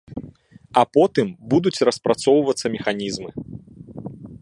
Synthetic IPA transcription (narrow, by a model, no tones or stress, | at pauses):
ɐpɔt̪ɨmbud̪ut͡sʲrɐspɾat̪sɔwvɐt̪sːɐmʲɛxanʲizmɨ